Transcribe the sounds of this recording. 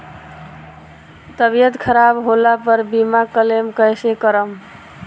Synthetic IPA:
t̪əbijət̪kʰəɾabɦolapəɾbimakəlemkəjsekəɾəm

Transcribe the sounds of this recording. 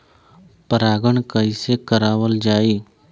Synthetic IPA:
pəɾaːɡəɳkəɪsekəɾaːʋəld͡ʒaːiː

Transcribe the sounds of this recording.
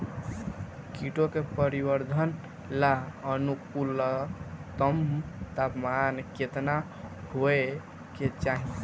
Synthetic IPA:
kiʈokepəɾibəɾd̪ʱən | laənukul | t̪əmt̪apmanket̪na | hoe | ket͡ʃaɦi

